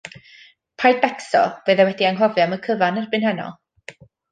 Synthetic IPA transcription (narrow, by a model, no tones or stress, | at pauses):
pʰajbɛksɔv̥əðawɛdiaŋɦɔvjaməkʰəvanarbɨnhɛnɔ̰lˠ